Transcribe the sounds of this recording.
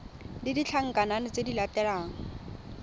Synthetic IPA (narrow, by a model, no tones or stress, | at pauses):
didit͡ɬʰaŋ̩kananɪt͡sedilatɛɺaːŋ̩